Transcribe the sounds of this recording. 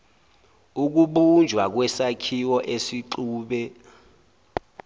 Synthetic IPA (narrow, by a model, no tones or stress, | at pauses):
uk̬uɓund͡ʒʱwak̬wɛsakʰiwɔʔesiǃuːɓɛ